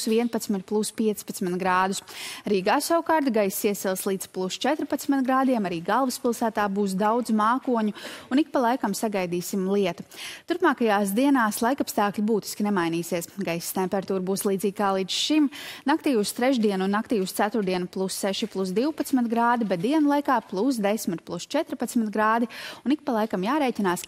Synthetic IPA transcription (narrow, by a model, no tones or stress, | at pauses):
sviɛnpat̪smɪt̪plˠuspiɛt̪spat̪smɪnt̪ɡɾaːd̪usɾiːɡaːsawkaːɾt̪ɡajsːiɛsɛlˠslˠiːd̪plˠust͡ʃɛt̪ɾpat̪smɪt̪ɡɾaːd̪iɛmaɾiːɡalˠvɨspilˠsæːt̪aːbuːs̬d̪awd̪zmaːkuɔɲuunik̚palˠajkamsaɡajd̪iːsimlˠiɛt̪u̥t̪uɾpmaːkajaːsd̪iɛnaːslˠajkapst̪aːklʲibuːt̪i̥skʲinemajniːsiɛsɡajsst̪ɛmpɛɾat̪uːɾbuːslˠiːd̪ziːɡʲkaːlˠiːd̪zʃimnakt̪iːust̪ɾɛʒd̪iɛnunːakt̪iːʊst̪sæt̪ʊɾd̪iɛnuplˠusːɛʃiplˠusd̪iwpat̪smɪt̪ɡɾaːd̪ibɛt̪̚d̪iɛnulˠajkaːplˠus̬d̪esmɪt̪plˠust͡ʃɛt̪ɾpat̪smɪt̪ɡɾaːd̪iunik̚palˠajkamjaːɾɛːcinaːs